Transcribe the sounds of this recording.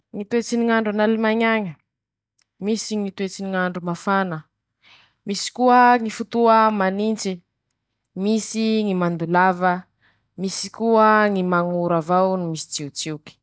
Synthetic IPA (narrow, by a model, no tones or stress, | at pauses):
ŋit̪uet͡siniŋaɳɖ͡ʐanalimaɲaɲə | misiŋit̪uet͡siniŋaɳɖ͡ʐumafanə | misi̥kuəŋifut̪uəmanint͡ʃi | misiŋimand̪ulavə | misi̥kuəŋimaŋuɾavawnimisi̥t͡siut͡siwki̥